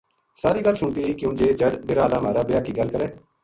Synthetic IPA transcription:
saːɾiːɡəlsʊɳt̪iːɾəiːkjõːd͡ʒeːd͡ʒəd̪bɪɾaːlaːm̤aːɾaːbɪjaːkiːɡəlkəɾɛː

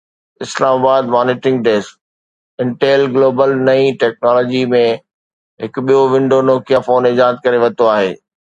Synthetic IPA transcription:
ɪslaːmaːbaːd̪mɔːnɪːʈɪ̃ŋɡ̚ɖeːs | ɪ̃ɳʈeːlɡloːbəlnɐĩʈɛːk̚nɔːlɔːd͡ʑimẽ | ɦɪkɓijoʋɪ̃ɳɖonoːkijafoːnɪd͡ʑaːd̪̚kɐɾeʋɐt̪oaːɦḛː

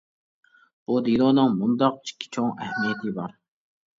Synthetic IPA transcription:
b̥ud̪ilˠoːnɨŋmund̪ɑq̚t͡ʃʰi̥kʲʰːi̥t͡ʃʰoŋɛhmijɛt̪ʰɨbɑɾ

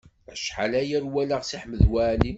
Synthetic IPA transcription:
æʃħa̰læjæɾwælæʁsiħməðwæʕli

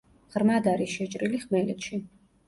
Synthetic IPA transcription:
ʁɾmad̪aɾiʃɛt͡ʃʼɾiliχmɛlɛt̪ʃi

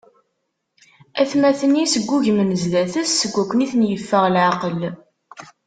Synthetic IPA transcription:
æθmæθənisəɡʷːuʝmənəzlæθəsːəɡʷːækʷːəniθnjəfːəʁlʕaqəl

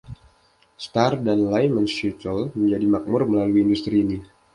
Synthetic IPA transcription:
st̪ardanlajmənsut̪əlməɲd͡ʒadimak̚mʊrməlaluiːndust̪ɾiːni

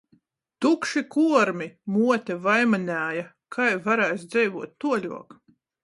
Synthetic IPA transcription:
t̪ukʃikuɔɾmʲimuɔt̪ʲɛvajmanʲæːja | kʰajvaɾæːsd̪zɛjvuɔt̪̚ːuɔlʲṵɔk

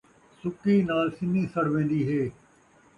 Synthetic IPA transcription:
sʊkiːnaːlsɪnĩːsəɽʋẽːn̆d̪iːɦeː

